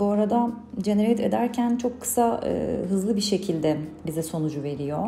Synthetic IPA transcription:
buaɾad̪ad͡ʒeneɾɛt̪ʰe̞d̪æɾcʰænt͡ʃʰo̞kʰːɯ̥saɯ̰ːɦɯzlˠɯbiʃe̞cʰilʲd̪ɛbizɛso̞nud͡ʒuve̞ɾijo

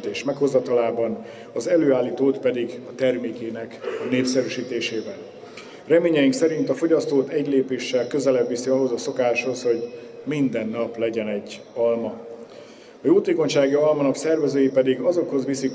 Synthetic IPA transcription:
t̪eːʃmɛkho̞zːɒt̪ɒlaːbɒn | ɒzɛløːaːlːiːt̪oːt̪pɛd̪iɡɒt̪ɛrmeːkeːnɛkneːfsɛɾyʃiːt̪eːʃeːbɛn | rɛmeːɲɛjiŋksɛɾint̪ɒfo̞ɟɒst̪oːt̪ɛɟleːpeːʃːɛlkø̞zɛlɛbːisiɒɦo̞zɒso̞kaːʃho̞sho̞ɟmind̪ɛnːɒplɛɟɛnɛɟː | ɒlmɒ | ɒjoːt̪eːko̞ɲʃaːɡiɒlmɒnɒksɛrvɛzøːjipɛd̪iɡɒzo̞kho̞zʋisik

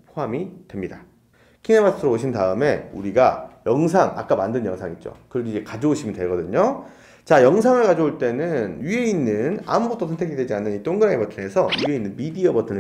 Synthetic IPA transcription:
pʰoɦamitwe̞mɲida | kʰinemas͈ʰɯɾooɕʰindaɯme̞uɾiɡajʌŋs̬ʰaŋa̰k͈amandɯnjʌŋsʰaŋit̚t͡ɕ͈o̰kɯɾʌdeid͡ʑe̞kad͡ʑooɕʰimjʌntweɭɡʌdɯɲo | t͡ɕajʌŋsʰaŋɯɭkad͡ʑooɭt͈e̞nɯnjye̞inːɯna̰muɡot͈ʰosʰʌntʰeɡidwe̞d͡ʑianːɯnit͈oŋɡɯɾaŋebʌtʰɯe̞sʰʌjye̞inːɯnmidiʌbʌtʰɯnɯ

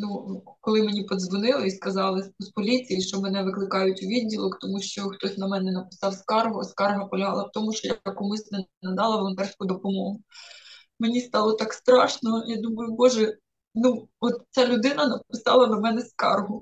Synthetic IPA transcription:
nukɔlˠɪmenʲipɔd̪zʋɔnɪlˠɪiskɐzɑlˠɪspɔlʲit͡sʲijiʃt͡ʃɔmɛnɛʋɪklˠɪkɑjʊtʲuʋʲiddʲːilˠɔkt̪ɔmuʃt͡ʃɔxt̪ɔsʲnɐmɛnɛnɐpɪ̥sɑwskɑrɦʊskɑrɦɐpɔlʲɐɦɑlˠɐwt̪ɔmuʃt͡ʃɔjɐkumɪsʲlʲɐnɐd̪ɑlˠɐʋɔlˠɔnt̪ɛrskʊd̪ɔpɔmɔɦʊ | menʲist̪ɑlˠɔt̪ɑkst̪ɾɑʃnɔjɑd̪umʊjʊbɔʒɛ | nuɔt̪t͡sʲalʲʊd̪ɪnɐnɐpɪsɑ̰lˠɐnɐmɛnɛskɑ̰rɦʊ

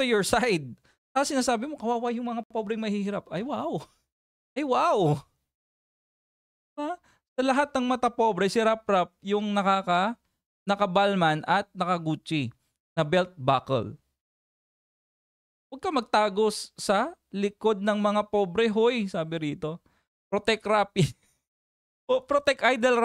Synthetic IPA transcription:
t̪ujoɹsajd̪̚ | aɐsɪnaːsaːbɪmokɐwaːwajʊŋmɐŋapobɾɛŋmɐhihɪɾapʔɐjwaw | ʔɐjwaw | a | sɐlɐɦat̪̚nɐŋmɐt̪ɐpobɾɛsɪɾap̚ɾap̚jʊŋnɐkakɐ | nɐkɐbalmanʔɐt̪̚nɐkɐɡuːt͡ʃɪ | nɐbɛlt̪̚bakɛ̰l | wɐɡ̚kɐmɐɡ̚t̪aːɡosːɐlɪko̞d̪̚nɐŋmɐŋapobɾɛɦojsaːbɪɾiːt̪o̞ | pɾot̪ɛkɾap | opɾot̪ɛkʔajd̪ɛl

